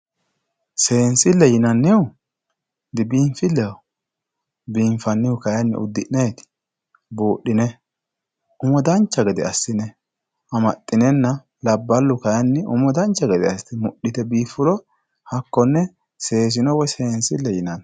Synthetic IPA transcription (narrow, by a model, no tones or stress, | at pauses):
se̞ːnsɪlːɛjɪnɐnːɪʊ | d̪ɪbiːmfɪlːɛɔ | biːɱfɐnːɪjʊkɐjɐnːɪ̰ʊ̰d̪ːɪʔneːt̪ɪ̥ | boːɗːɪnɛ | ʊmɔd̪ɐnt͡ʃːɐɡɐd̪ɪ̰ɐsːɪnɛ | ɐmɐt̪ʼːɪnɛnːɐ | lɐbːɐlːʊkɐjɐnːɪʔʊ̰mɔd̪ɐnt͡ʃːɐɡɐd̪ɪɐst̪ɪmʊɗɪt̪ɛbiːfʊlɔ | hɐkːɔnːɛ | se̞ːs̬ɪnɔwɔjse̞ːnsɪlːɛjɪnɐn